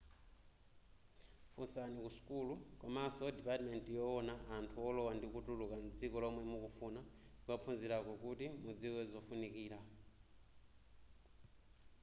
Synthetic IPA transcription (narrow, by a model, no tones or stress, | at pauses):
fusanikusu̥kulukɔmasɔdipatmɛntijɔɔnaʔːntʰuɔlɔwandikutulukand͡zikɔlɔmwɛmukufunaukap̪fʰunziɾakɔkutimud͡ziwɛzɔfunikiːɾa